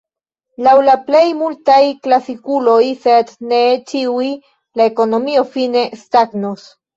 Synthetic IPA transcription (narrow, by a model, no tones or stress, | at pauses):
lawlaple̞jmultajklasikulo̞jsednet͡ʃiwi | laeko̞no̞mio̞fine̞st̪aɡnos